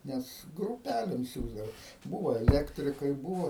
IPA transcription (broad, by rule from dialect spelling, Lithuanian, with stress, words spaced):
ˈnʲɛs ɡrʊˈpʲælʲɪm ˈsʲuːzdɐʋɐ ˈbuːʋoː ɛˈlʲæːktʲrʲɪkɐɪ ˈbuːʋoː